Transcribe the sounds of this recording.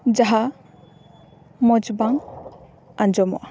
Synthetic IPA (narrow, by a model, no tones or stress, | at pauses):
d͡ʒaɦa | mɔd͡ʒbaŋ | and͡ʒɔmɔ̰ʔ